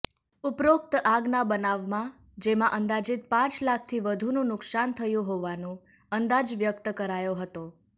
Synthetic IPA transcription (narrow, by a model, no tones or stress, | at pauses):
upɾok̚t̪əʔaɡnabənaʋmã | d͡ʒemãʔənd̪ad͡ʒɪt̪̚pãt͡ʃlak̚ʰt̪ʰiʋəd̪ʱunũnʊksant̪ʰəjũɦoʋanũ | ənd̪ad͡ʒʋjəkt̪əkəɾajoɦət̪o